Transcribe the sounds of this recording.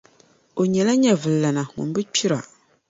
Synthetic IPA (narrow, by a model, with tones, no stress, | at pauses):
o˨ɲɛ˨la˦ɲɛ˦vɨ˨lla˨na˨ŋṵ˨nbɨ˦k͡pi˦ɾa̰˨